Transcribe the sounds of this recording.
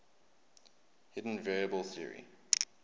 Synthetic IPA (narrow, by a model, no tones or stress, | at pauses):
hɪdⁿn̩vɛɹiəbəlˠθiəɹḭ